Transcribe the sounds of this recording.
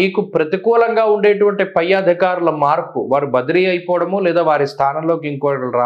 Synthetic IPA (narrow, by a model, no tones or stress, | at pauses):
iːkupɾɐt̪ikuːlɐŋɡaːuɳɖeːʈuʋɐɳʈipɐjːaːd̪ʱikaːɾulɐmaːɾpuʋaːɾubɐd̪iɾiːjɐjipɔːʋɽɐmuːlɛːd̪aːʋaːɾist̪ʰaːnɐmlo̞ːkiŋkoːɽlɾaː